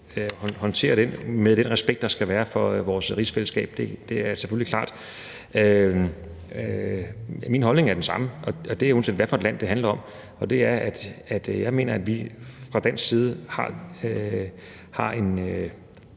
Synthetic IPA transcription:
hhɒ̽nt͡sʰe̝̰ːɐɾ̥enmeðˠd̥enʁɛsb̥eɡ̥̚d̥ɑ̈sɡ̥æʋæːɐfɒ̽ʋɒːsʁisfeləsɡ̥ɛ̰ːb̥̚d̥e̝d̥e̝æɐsefølikʰlɑ̈ːd̥ | ø | minɦɒ̽lne̝ŋæɐd̥ensɑ̈məʔɒ̽ɒ̽d̥e̝æon̩sendʋæɐfɒ̽e̝dlæn̰d̥e̝ɦænlɐɒ̽m̰ | ɒ̽d̥e̝æɐæd̥æd̥jɑ̈ɪme̝̰ːnɐæd̥ʋifʁɑ̈d̥æn̰sɡsiːð̞ˠəhɑ̰̈ | hɑ̈ʔe̝nø

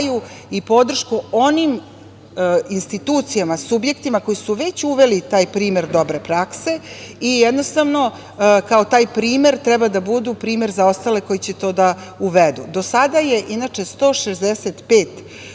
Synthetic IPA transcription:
ju | ipo̞d̪r̩ʃkuo̞nim | inst̪it̪uːt̪sijamasubje̞kt̪imako̞jisuʋe̞t͡ɕuʋe̞lit̪aːjpɾiːme̞ɾd̪o̞bɾe̞pɾakse̞ijɛd̪no̞st̪aʋno̞ | kao̞t̪aːjpɾiːme̞ɾt̪ɾɛbad̪abud̪upɾiːme̞ɾzao̞st̪ale̞ko̞jit͡ɕet̪o̞ːd̪auʋed̪ṵd̪o̞sad̪aje̞ʔinat͡ʂe̞st̪o̞ʃezd̪eset̪peːt̪

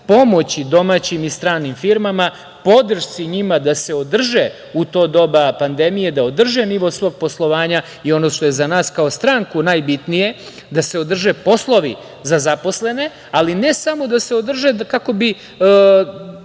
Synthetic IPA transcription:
po̞mo̞t͡ɕid̪o̞mat͡ɕimist̪ɾaːnimfiɾmama | po̞d̪r̩ʃt̪siɲimad̪ase̞od̪r̩ʒe | ut̪o̞ːd̪o̞bapand̪emije̞d̪aod̪r̩ʒeniʋo̞sʋo̞ɡ̚po̞slˠo̞ʋaːɲa | io̞no̞ːʃt̪o̞jezanaːskao̞st̪ɾaŋkunajbit̪nije̞ | d̪ase̞o̞d̪r̩ʒepo̞slˠo̞ʋi | zazapo̞sle̞ne̞ | alinesamo̞d̪ase̞od̪r̩ʒekako̞bi

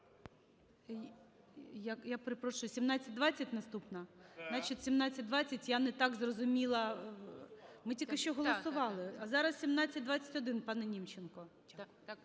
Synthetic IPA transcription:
jakjapɾepɾɔʃʊjʊsʲimnɑt͡sʲɐt̚ʲd̪ʋɑt͡sʲɐtʲnɐst̪upnɐnɑt͡ʃit̪ʲsʲimnɑt͡sʲːɐt̚ʲd̪ʋɑt͡sʲːɐtʲjanɛt̪ɑɡzrɔzʊmʲilˠɐ | mɪtʲilkɪʃt͡ʃɔɦɔlˠɔsʊʋɑlˠɪɐzɑɾɐssʲimnɑt͡sʲːɐt̚ʲd̪ʋɑt͡sʲːɐ̥tʲɔd̪ɪnpɑnɛnʲimt͡ʃenkɔ

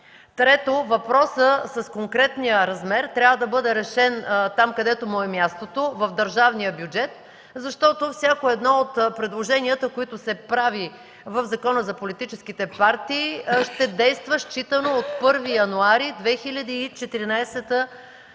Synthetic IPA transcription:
t̪ɾɛt̪ovɐpɾɔsəsɐskoŋkɾɛt̪nijəɾɐzmɛɾt̪ɾʲjavəd̪ɐbɤd̪ɛɾɛʃɛnt̪amkɐd̪ɛt̪omɔɛmʲjast̪ot̪ovɐvd̪əɾʒavnijəbjud͡ʒɛt̪ | zɐʃt̪ɔt̪ofsʲakoɛd̪nɔot̪pɾɛd̪lˠoʒɛniət̪əkoit̪ʊsɛpɾavi | vəvzɐkɔnəzɐpolit̪it͡ʃɛsk̟it̪ɛpaɾt̪iːʃt̪ɛd̪ɛjst̪vəʃt͡ʃit̪ənoot̪pɤɾvijɐnuaɾid̪vɛxilʲɐd̪iːt͡ʃɛt̪iɾinajsɛt̪ə

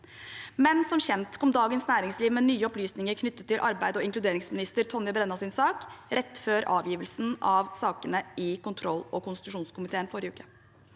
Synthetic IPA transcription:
mɛnsɔmçɛnt̪kʰɔmd̪ɑːɡənsnæːɾɪŋsliːʋmɛnyːəɔplyːsnɪŋəɾkʰnʏt̪ːət̪ʰːɪlʔɑɾbæɪd̪ɔɪŋklʉd̪eːɾɪŋsmɪnɪst̪əɾt̪ʰɔnːəbɾɛnːɑsɪnsɑːkɾɛt̪ːføːɾɑ̰ːʋjiːʋəlsnɑʋsɑːkənəʔɪkʊnt̪ʰɾɔlːɔkʊnst̪ɪt̪ʉʂuːnskʊmɪt̪ʰeːənfɔɾɪjəʉːkə

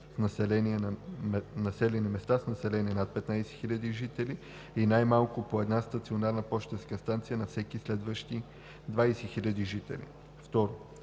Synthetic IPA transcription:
snɐsɛlɛniɛnmnɐsɛlʲɛnimɛst̪asnɐsɛlɛniɛnat̪̚pɛt̪najsɛ̥xilʲəd̪iʒit̪ɛli | inajmalˠkʊpoɛd̪nast̪ɐt̪sionaɾnəpɔʃt̪ɛskəst̪ant̪sijənɐfsɛkislɛd̪vəʃt̪i | d̪vajsɛxilʲɐd̪iʒit̪ɛ̰lḭ | ft̪ɔɾo

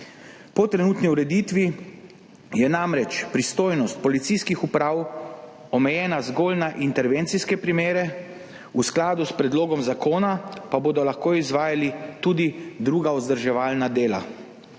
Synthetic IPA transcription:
pɔt̪ɾɛnuːt̪niuɾɛd̪it̪ʋi | jɛnamɾɛt͡ʃpɾist̪oːjnɔst̪̚pɔlit̪siskixupɾaːw | ɔmɛjɛːnazɡoːlnaʔint̪ɛɾʋent̪siskɛpɾimeːɾɛ | usklaːd̪uspɾɛd̪loːɡɔmzakoːnapaboːd̪ɔlaxkoːizʋaːjalit̪uːd̪id̪ɾuːɡaɔzd̪əɾʒɛʋaːlnad̪eːla̰

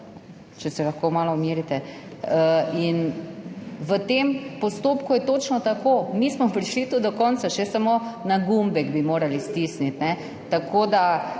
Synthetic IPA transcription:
t͡ʃɛsɛlaxkoːmaːlɔumiːɾit̪ɛ | əin | ʋət̪empɔst̪oːpkujɛt̪oːt͡ʃnɔt̪akoːmismɔpɾiʃlit̪ud̪d̪ɔkɔnsaʃɛsamonaɡumbɛɡbimoːɾalist̪isnit̪nɛ | t̪akʰoːd̪a

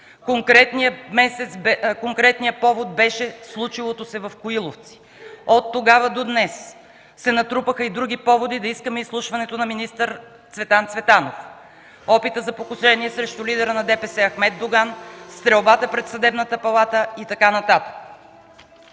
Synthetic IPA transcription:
koŋkɾɛt̪nimɛsɛt̪sbkoŋkɾɛt̪nijəpɔvod̪̚bɛʃɛslˠut͡ʃilˠot̪osɛvɐfkʊilˠoft̪si̥ | ot̪ːoɡavəd̪od̪nɛs | sːɛnɐt̪ɾupəxəid̪ɾuɡ̟ipɔvod̪id̪ɐiskəmɛislˠuʃvɐnɛt̪onɐminist̪əɾ | t̪svɛt̪ant̪svɛt̪anof | ɔpit̪əzɐpokʊʃɛniɛsɾɛʃt̪ʊlid̪ɛɾənɐd̪ɛpɛsɛɐxmɛd̪d̪oɡanst̪ɾɛlˠbat̪əpɾɛt̪sɐd̪ɛbnət̪əpɐlˠat̪əit̪ɐkanɐt̪at̪ə̥k

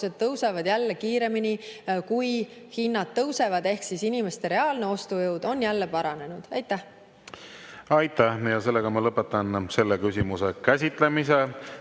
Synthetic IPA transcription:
sed̪̥̚t̪ɤwsevɑd̪̥jælːekiːɾe̞minikujhinːɑd̪̥t̪ːɤwse̞vɑd̪e̞hksisinime̞st̪e̞ɾe̞ɑːlne̞o̞st̪ujɤwd̪̥o̞njælːe̞pɑɾɑne̞nud̪̥ɑjt̪ˑːæh | ɑjt̪ːˑæhjɑse̞lːeɡ̥ɑmɑlɤpːˑet̪ːˑɑnse̞lːekysʲimuse̞kæsʲit̪ˑle̞mise

